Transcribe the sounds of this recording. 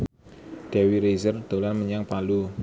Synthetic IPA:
d̥ɛ̤wiɾezərd̪̥o̤lanməɲaŋpalu

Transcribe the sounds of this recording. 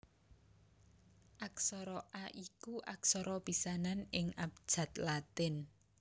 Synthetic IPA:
ʔak̚sɔɾɔʔaʔikuʔak̚sɔɾɔpisananɪŋap̚d̥ʒ̥ä̤t̪lat̪ɪn

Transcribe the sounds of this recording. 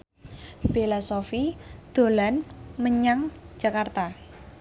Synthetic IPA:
b̥elasofid̪̥o̤lanməɲaŋ̥d͡ʒ̥ä̤kart̪a

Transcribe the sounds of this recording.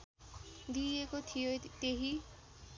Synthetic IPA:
d̪iekot̪ʰijot̪eɦi

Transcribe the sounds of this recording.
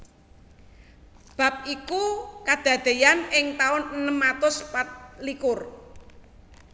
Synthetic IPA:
b̥a̤p̚ikukad̪̥a̤d̪̥e̤janɪŋt̪aʊnənəmːat̪ʊspat̪likʊr

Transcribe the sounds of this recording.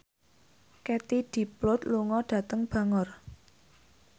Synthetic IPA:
kɛt̪id̪̥i̤plʊt̪luŋɔɖ̥ä̤t̪əŋb̥ä̤ŋɔr

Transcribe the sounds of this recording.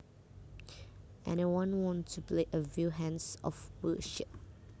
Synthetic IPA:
ʔɛ̰̃nawɔ̃nwɔ̃ntʰupleʔəvjuɦɛ̃nsɔ̰fwəʃɪp̚

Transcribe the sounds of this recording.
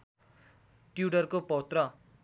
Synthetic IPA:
ʈjuɽʌrkopʌwt̪rʌ

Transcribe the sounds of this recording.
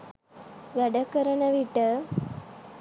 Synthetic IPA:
ʋæɖəkəɾəɳəʋiʈə

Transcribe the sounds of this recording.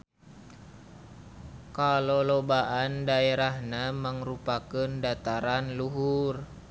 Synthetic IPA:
kalolobaʔandaeɾahnaməŋɾupakəndat̪aɾanluɦur

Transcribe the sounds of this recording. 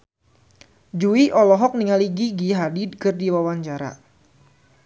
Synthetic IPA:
d͡ʒuiʔɔlɔɦɔk̚niŋaliɡiɡiɦadidkɨrdiwawaɲt͡ʃaɾa̰

